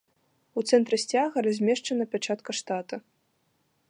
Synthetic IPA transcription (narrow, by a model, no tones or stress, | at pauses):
ut̪sɛnt̪ɾɨsʲt͡sʲaɣɐɾazʲmʲɛʂt͡ʂɐnɐpʲat͡ʂat̪kɐʂt̪at̪ɐ